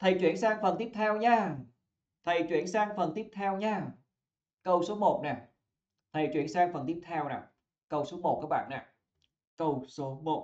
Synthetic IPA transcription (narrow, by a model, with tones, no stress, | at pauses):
t̪ʰə˨˩jt͡ɕwi˧˩ənsaː˧ŋfə˨˩nt̪i˦˥əp̚t̪ʰɛ˧wɲaː˧ | t̪ʰə˨˩jt͡ɕwḭ˧˩ənsaː˧ŋfə˨˩nt̪i˦˥p̚t̪ʰɛ˧wɲaː˧ | kə˧wso˨˦mo˨˩t̚nɛ˨˩ | t̪ʰə˨˩jt͡ɕwi˧˩ənsaː˧ŋfə˨˩nt̪i˦˥p̚t̪ʰɛ˧wna̰˨˩ | kə˧wso˨˦mo˨˩t̚kaː˦˥k̚ɓa̰ː˧˨na̰˨˩ | kə˧wso˨˦mo˨˩t̚